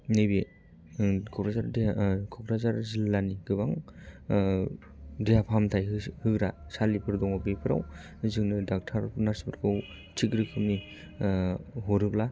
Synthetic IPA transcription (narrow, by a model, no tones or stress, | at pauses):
nebe | kʰɔkɾazaɾdkʰɔkʰɾazaɾzilːaniɡɯbaŋ | dijapʰamtʰajhɯkɾasalipʰɯɾdɔŋɔbepʰɯɾa̰w | zɯŋnɯdak̚tʰaɾnaɾsi̥pʰɯɾkʰɯw | tʰikɾɯkʰɯmni | ɦɔɾɯkla